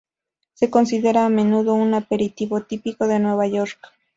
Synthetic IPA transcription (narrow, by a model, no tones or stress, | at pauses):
se̞ko̞nsiðe̞ɾaːme̞nuðounape̞ɾit̪iβo̞t̪ipiko̞ðe̞nwe̞βajoɾk